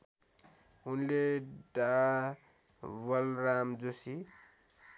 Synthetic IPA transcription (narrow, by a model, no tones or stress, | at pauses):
ɦunleɖa | wʌlɾamd͡zosi